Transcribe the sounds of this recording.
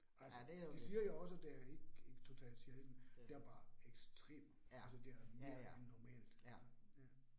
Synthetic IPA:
ælsədd̥issiːɐjoɒ̽səd̥æɐe̝ɡ̥eɡ̥t͡sʰo̝t͡sʰɛ̰ːld̥siɐhed̥n̩d̥eæɐb̥ɑ̈ːeɡ̥sd̥ʁḛːm | ælsəd̥e̝æɐme̝ːɐnːɒmɛ̰ːld̥æ

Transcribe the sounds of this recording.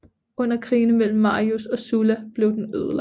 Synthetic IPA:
ɔ̽n̰ɐkʰʁḭːnmel̰m̩ːɑ̈ːiusɒ̽sulæb̥le̝ʊd̥enøðˠl

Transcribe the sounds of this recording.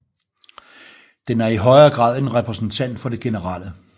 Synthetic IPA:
d̥enæɐiɦɒ̽ɪɐːɡ̥ʁɑ̰̈ːð̞̰ˠe̝nʁɛpʰʁɛsn̩t͡sʰæn̰d̥fɒ̽d̥e̝ɡ̥e̝nəʁɑ̈ːlə

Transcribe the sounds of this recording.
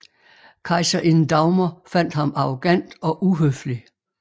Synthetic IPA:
kʰɑ̈ɪsɐʔenn̩d̥ɑ̈ʊmɐfæn̰d̥hɑ̈mɑ̈ʁo̝ɡ̥æn̰d̥ɒ̽ʔuɦøfli

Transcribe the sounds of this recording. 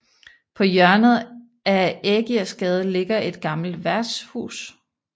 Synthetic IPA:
pʰɒ̽jɶɐnð̩ˠ | æeɡ̥iæsɡ̥ɛːð̞ˠle̝ɡ̥ɐe̝d̥̚ɡ̥ɑ̈ml̩d̥ʋæɐd̥shṵːs

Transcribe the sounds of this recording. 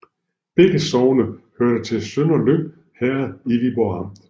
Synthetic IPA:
b̥eɡ̥əsɒʊnəhøɐ̰ɾ̥ɐt͡sʰe̝lsønɒløb | hæɐiʋib̥ɒɑmd̥

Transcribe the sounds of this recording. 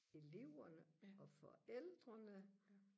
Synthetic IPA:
e̝le̝ʊ̰ɐnəɒ̽fɒ̽eld̥ʁɐnə

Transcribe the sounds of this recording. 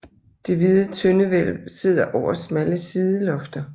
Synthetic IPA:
d̥e̝ʋið̞ˠət͡sʰønəʋel̰se̝ð̞̰ˠɐʔɒʊ̰ɐsmæləsiðˠəlɒ̽fd̥ɐ

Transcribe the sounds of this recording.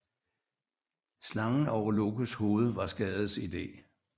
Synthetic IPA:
slɑ̈ŋn̩ɒʊɐloɡ̥əsho̝ːð̞̩ˠəʋɑ̈sɡ̥ɛːð̞̩ˠsid̥e̝̰ː

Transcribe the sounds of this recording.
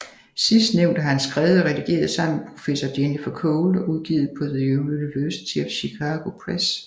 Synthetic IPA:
sisd̥neʊ̰nd̥əɦænsɡ̥ʁɛːʊð̩ˠɒʁɛd̥iɡ̥e̝̰ːɐðˠsɑ̈m̰̩pʰʁo̝̥fesɒd̥enifɒkʰɔːlʔuð̞ˠɡ̥ḭːð̩ˠpʰɒ̽d̥ejyləiʋøːsə̥t͡ɕʰefɕikʰɑːɡ̥o̝pʰʁɛs

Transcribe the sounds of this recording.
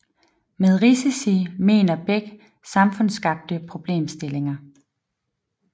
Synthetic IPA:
með̞ˠʁisisime̝̰ːnɐb̥eɡ̥ | sɑ̈mfɔ̽n̰sɡ̥ɑ̈b̥̚d̥əpʰʁo̝b̥le̝̰ːmsd̥e̝le̝ŋɐ

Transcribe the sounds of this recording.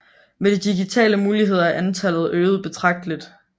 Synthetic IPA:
med̥id̥iɡit͡sʰɛ̰ːləmuːliɦe̝ð̞̰ˠɐæʔænt͡sʰælð̞̩ˠøːð̞̩ˠb̥e̝t͡sʰʁɑ̈ɡ̥̚d̥əlid̥

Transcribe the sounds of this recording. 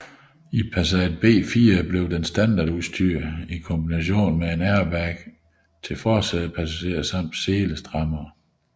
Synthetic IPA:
ipʰæs̬æd̥̚b̥e̝̰ːfiːɐb̥le̝ʊd̥ensd̥ænd̥ɑ̈ːduðˠsd̥yɐ̰ikʰɔ̽mb̥inæɕo̝̰ːnmee̝næɐʋæɡ̥ | t͡sʰe̝lfɒ̥ːsæd̥ˠəpʰæsæɕe̝̰ːɐsɑ̈m̰d̥seːləsd̥ʁɑ̈mɐː

